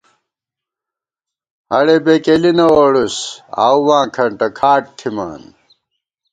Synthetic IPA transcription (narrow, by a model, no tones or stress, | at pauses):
ɐɽebekelinɐwoɽusa̰ːwwãːkʰɐɳʈɐkʰaːʈ̚kʰima̰ːn